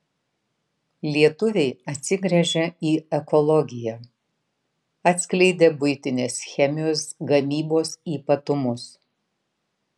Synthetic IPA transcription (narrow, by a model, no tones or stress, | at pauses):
lʲiɛt̪ʊʋʲɛɪɐt̪ʲsʲɪɡɾʲɛʒʲɛiːɛkɔlˠɔɡʲɪjɛ | ɐt̪ʲsʲklʲɛɪd̪ʲebʊɪt̪ʲɪnʲeːsxʲɛmʲɪjoːsɡɐmʲiːboːsiːpɐt̪ʊmʊs